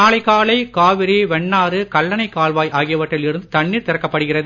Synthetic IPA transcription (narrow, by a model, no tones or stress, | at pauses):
aːlɐɪkaːɭɐɪkaːʋɪɾiʋɛɳːaːɾɯkɐlːɐnɐɪkːaːɭʋaːjʔaːɣɪjɐʋɐʈrɐlɪɾɯnd̪ɯt̪ɐɳːiːɾt̪ɪɾɐkːɐpːɐɽɯɣɪrɐðɯ